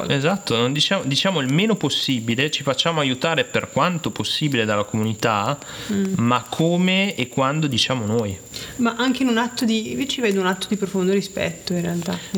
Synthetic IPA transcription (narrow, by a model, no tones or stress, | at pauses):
ezat̪ːonond̪it͡ʃaːmod̪it͡ʃaːmoilmeːnoposːibilet͡ʃifat͡ʃːaːmoajut̪aːɾeperkwant̪oposːiːbiled̪alːakomunit̪a | makʰːoːmekːwand̪od̪it͡ʃaːmonoːj | maʔaŋk̟einunat̪ːod̪ivet͡ʃiveːd̪ounat̪ːod̪ipɾofond̪oɾispɛ̰t̪ːoinrealt̪a